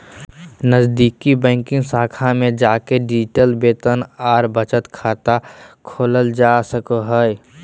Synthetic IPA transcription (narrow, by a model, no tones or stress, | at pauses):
nəzd̪iːkibɛ̃ːŋkɪ̃ŋɡsaːkʰamẽd͡ʒaːkeɖɪd͡ʒʈəlbeːt̪ənaːɾbət͡ʃət̪kʰaːt̪akʰoːləld͡ʒaːsəkoɦəe